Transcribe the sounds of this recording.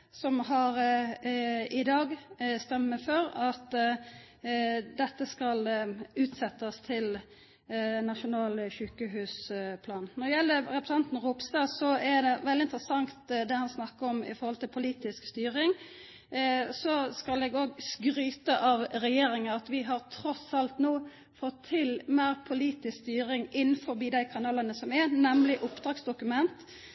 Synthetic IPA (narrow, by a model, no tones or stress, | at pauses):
sɔmhɑɾ | ɪd̪ɑːɡst̪œmːəfɔɾɑt̪ | d̪ɛt̪ːəskɑlʉːt̪sɛt̪ːəst̪ʰɪl | nɑʂʊnɑːlçʉːkəhʉːspʰlɑːnnɔɾd̪ɛjɛlːəɾɾɛpɾəs̩ɑnt̪nɾuːpsd̪ɑːsɔæɖ̪ɛʋɛlːɪnt̪əɾəsɑŋt̪d̪ɛhɑnsnɑkːəɾɔmɪ̰fɔɾhɔlt̪ɪlpʰʊliːt̪ɪskst̪yːɾɪŋ | sɔskɑlɛɡoːɡskɾyːt̪əʔɑʋɾɛjeːɾɪŋəɑt̪ʋɪɦɑʁt̪ʰɾɔsɑlt̪noː | fɔt̪ʰːɪlmeːʁpʰʊliːt̪ɪskst̪yːɾɪŋɪn̩ːfɔbiːd̪æɪkʰɑnɑːlənəsɔmɛnɛmlɪʔʊpd̪ɾɑːɡsd̪ʊkʉmɛnt̪